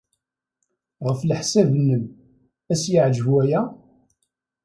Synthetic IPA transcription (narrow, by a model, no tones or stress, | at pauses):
ʁəflħsævənːəm | æsjəʕd͡ʒəvwæjæ